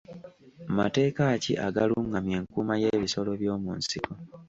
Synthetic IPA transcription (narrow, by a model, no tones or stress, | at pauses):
ma̰te̞ːkacḭʔaɡaluŋɡamje̞ːŋkuːmaje̞ːβiso̞lo̞βjo̞ːmṵːnsiko